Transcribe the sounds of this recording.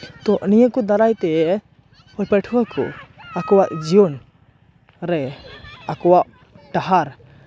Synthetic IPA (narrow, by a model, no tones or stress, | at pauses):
t̪ɔʔnijəkɔd̪aɾajt̪ɛ | hɔlpəʈʰuwakʰɔ̰akɔwaʔd͡ʒiɔn | ɾɛakɔwaʔ | ʈaɦaɾ